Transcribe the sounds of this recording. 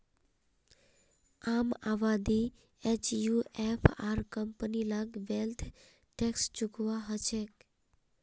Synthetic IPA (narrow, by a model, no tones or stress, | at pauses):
amaʋad̪i | et͡ʃjuʔepʰaɾkəmpənilaɡʋelt̪ʰ | ʈekst͡ʃuɡʋaɦət͡ʃʰek